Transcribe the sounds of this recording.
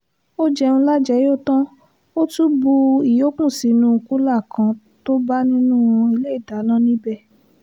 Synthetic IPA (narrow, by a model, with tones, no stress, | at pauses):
o˦d͡ʒɛ˧ũ˧˦la˦d͡ʒɛ˨jo˦˨tã˦ | o˦tu˦bu˧i˨jo˨˦k͡pũ˦˨si˨˧nũ˨˦˧ku˦la˦˨kã˧ | to˦ba˦nĩ˦nũ˦i˧le˦i˦˨da˨˦nã˦nĩ˦bɛ˦˨